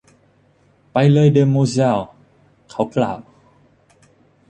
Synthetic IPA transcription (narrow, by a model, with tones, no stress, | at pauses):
pa˧jlɤː˧jdə˧əmo˧za˥˧˨w | kʰa˧˦˩wkla̰˨˩˨w